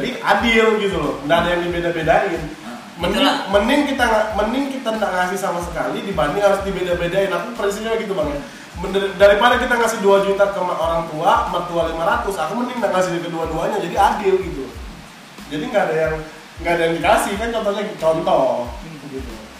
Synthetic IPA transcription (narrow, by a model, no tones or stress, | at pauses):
d͡ʒadiʔadɪlɡit̪̬ulʊhndaʔadajaŋdibedabedaɪn | mənɪŋmənɪŋkit̪aŋamənɪŋkit̪andaʔŋasɪhsamas̬əkalidibaniɦhaɾʊsdibedabedaɪnakupəɾins̬iplaɡit̪̬ubaŋja | mədaɾipadakit̪aŋasɪhduad͡ʒut̪akəmaʔoɾaŋt̪uamərt̪ualimaɾat̪ʊsakumənɪŋndaʔŋas̬ɪhdik̬əduaduaɲad͡ʒadiadɪlɡit̪u | d͡ʒadiŋɡaːdajaŋ | ŋɡaːdajaŋdikasɪhkant͡ʃɔnt̪ɔɲaɡt͡ʃɔnt̪ɔɡit̪u